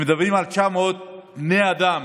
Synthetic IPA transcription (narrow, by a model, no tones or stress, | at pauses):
md̪ɐʋimalt͡ʃʰaːmot̪̚neɐd̪aːm